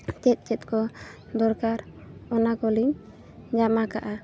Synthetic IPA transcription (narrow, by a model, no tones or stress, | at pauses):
t͡ʃɛt̪̚ˀt͡ʃɛt̪̚kɔ | d̪ɔɾkaɾ | ɔnakɔliɲ | d͡ʒamakaʔa